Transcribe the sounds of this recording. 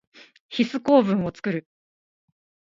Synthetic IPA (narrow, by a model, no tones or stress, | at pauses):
çisɨko̞ːbɯ̟̃ɰ̃o̞t͡sɨ̥kɯ̟ɾɯ̟